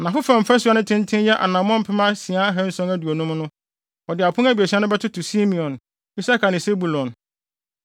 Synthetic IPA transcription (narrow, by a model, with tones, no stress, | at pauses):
nã˨fʊ˦fã˨m̩˨fa˦su˦a˦nʊ̃˦tʰɪ̃˦n˦tʰɪ̃˦jɛ˦ʔa̰˨nã˨m˦ɔ̃˦m̩˨pʰɪ˦mã˦si˨a˦ɦɛ̃˦n̩˦sɔ̃˦ŋæ˦du˨o˨nũ˦m˦nʊ̃˦ | ɔ˨dɪ˨a˨pʰʊ̃˦ŋæ˦bi˨e˨si˦a˦nʊ̃˦bɛ˦tʰʊ˦tʰʊ˨si˦mĩ˨ɔ̃˨n | i˦sa˦kʰa˨nɪ̃˨se˦bu˨lɔ̃˨n